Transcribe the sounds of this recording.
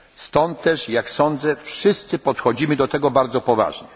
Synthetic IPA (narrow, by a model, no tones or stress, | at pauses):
st̪ɔnt̪ːɛʂjaksɔnd̪zɛfʂɘst̪sɘpɔt̪xɔd͡ʑimɘd̪ɔt̪ɛɡɔbaɾd̪zɔpɔva̰ʐɲɛ